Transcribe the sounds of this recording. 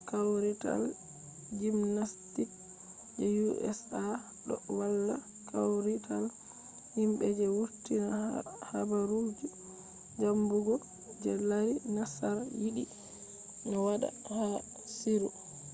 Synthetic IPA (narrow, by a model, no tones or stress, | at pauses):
kawɾita̰l | d͡ʒimnastik | d͡ʒɛjuʔɛ̰sa | ɗɔ̰walːa | kʰawɾitʰal | himɓɛd͡ʒɛwutːinahabaɾud͡ʒu | d͡ʒambuɡɔ | d͡ʒɛlaɾinasaɾjiɗi | nɔwaɗa̰ha | siɾu